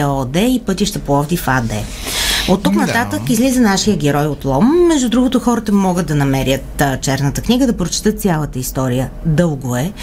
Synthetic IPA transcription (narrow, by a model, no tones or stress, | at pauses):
ɛɔd̪ɛipɤt̪iʃt̪əpoɔvd̪ifad̪ɛ | ot̪ːuknɐt̪at̪əkizlizənaʃijəɡɛɾɔjot̪lˠɔmːɛʒd̪ud̪ɾuɡot̪ʊxɔɾət̪əmɔɡət̪̚d̪ɐnɐmɛɾjət̪ːt͡ʃɛɾnət̪əkniɡəd̪ɐpɾot͡ʃi̥t̪ɤt̪t̪sʲjalˠət̪əist̪ɔɾijəd̪ɤlˠɡoɛ